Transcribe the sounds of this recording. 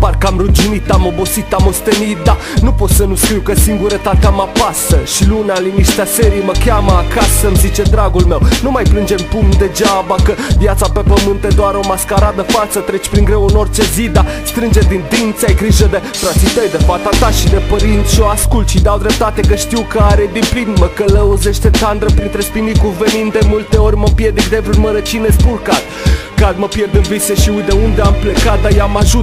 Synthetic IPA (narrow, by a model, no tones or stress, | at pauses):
parkəamɾud͡ʒunit̪ːamo̞bo̞sit̪ːamo̞st̪enit̪̚d̪a | nupo̞t̪sənuskɾiwkəsiŋɡuɾet̪at̪amapasəʃilunaliniʃt̪easeɾijməkʲaməakasəmzit͡ʃe̞d̪ɾaɡulme̞wnumajplɨnd͡ʒe̞mpumd̪e̞d͡ʒabakəvjat̪sapepəmɨnt̪ed̪oaɾo̞maskaɾad̪əfalt̪sət̪ɾe̞t͡ʃʲpɾiŋɡɾewɨno̞rʲt͡ʃe̞zid̪ast̪ɾɨnd͡ʒed̪ind̪int̪sajɡɾiʒəd̪e̞fɾat̪sit̪əjd̪e̞fat̪at̪aʃid̪e̞pəɾint̪ʃioaskult̪ʃid̪awd̪ɾep̚t̪at̪ekəʃt̪iwkəaɾed̪implinməkələuzeʃt̪et̪and̪ɾəpɾint̪ɾespinikuvenind̪d̪emult̪e̞oɾʲməpjerd̪ekd̪evɾunməɾət͡ʃinespulkat̪ | kad̪məpjerd̪ənviseʃiujd̪eund̪eamplekat̪̚d̪ajamaʒut̪